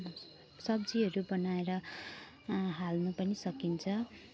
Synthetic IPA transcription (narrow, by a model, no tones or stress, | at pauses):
sʌbd͡ziɦʌɾubʌnaeɾʌ | ɦalnupʌnisʌkint͡sʰʌ